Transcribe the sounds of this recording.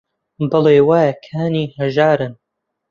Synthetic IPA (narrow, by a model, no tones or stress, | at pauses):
bɐleːwaːjɐkʰaːniːhɐʒaːɾɨn